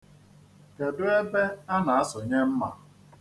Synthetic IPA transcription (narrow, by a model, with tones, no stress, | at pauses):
ke˨dʊ˦e˦be˦a˦na˨a˦sʊ˨ɲe˦m̩˦ma̰˨